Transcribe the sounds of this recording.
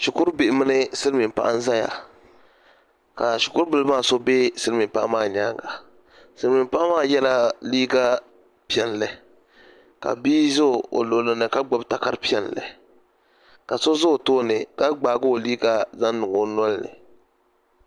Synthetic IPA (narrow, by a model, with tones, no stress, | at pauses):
ʃu˨kʊ˦ɾbɪ˨mɨ˦nɨ˦sɨ˦lmi˨pa̰˦ʔa˦n˦za˦ja̰˨ | ka˨ʃʊ˨kʊ˦ɾbɨ˨lɨ˦maː˦˨so˦be˦sɨ˦lmi˨m˨pa̰˦ʔmaː˦˨ɲaː˦ŋɡa˨ | sɨ˦lmi˨m˦pa˦ʔmaː˦˨jɛ˦la˦liː˦ɡa˦ | pi˦ɛ˨n˦lɨ˨ | ka̰˨biː˦zʊ˦˨o̰˨lo˨lɨ˨nɨ˨ka˦ɡ͡bo˦bta˨ka˦ɾpi˦ɛ˦n˨lɨ̰˨ | ka˨so˦zʊ˦˨toː˦nɨ˨ka˦ɡ͡baː˨ɡo˦o˨liː˦ɡa˦za˦nː˦ʊ˨ŋo˨˦nɔ˦lnɨ̰˨